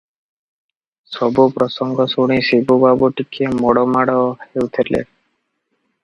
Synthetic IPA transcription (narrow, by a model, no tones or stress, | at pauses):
sɔbupɾɔsɔŋɡɔsuɽ̃isibubabuʈikʰemɔɽɔmaɽɔhewt̪ʰelḛ